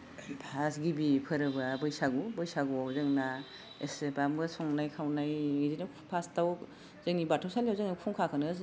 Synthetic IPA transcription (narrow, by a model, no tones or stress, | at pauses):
pʰasɡibipʰɯɾɯbabɯjsaɡubɯjsaɡuawzɯŋna | esepamɡɯsɔŋnajkʰawnajŋidinɯ | pʰastaw | zɯŋnibatʰɔwsaliawzɯŋnakʰuŋkʰakʰɯnɯs